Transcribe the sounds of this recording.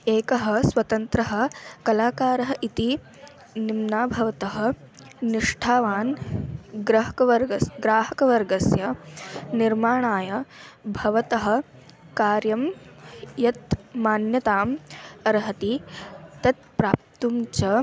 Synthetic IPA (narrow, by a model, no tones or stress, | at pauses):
eːkɐɦɐ̆sʋɐt̪ɐnt̪ɾɐɦɐ̆kɐlaːkaːɾɐɦɐʔit̪i | nimnaːbʱɐʋɐt̪ɐɦɐ̆ | niʂʈʰaːʋaːn | ɡɾɐɦɐkɐʋɐɾɡɐsɡɾaːɦɐkɐʋɐɾɡɐsjɐniɾmaːɳaːjɐbʱɐʋɐt̪ɐɦɐ̆ | kaːɾjɐm | jɐt̪maːnjɐt̪aːmɐɾɦɐt̪it̪ɐt̪̚pɾaːp̚t̪umt͡ʃɐ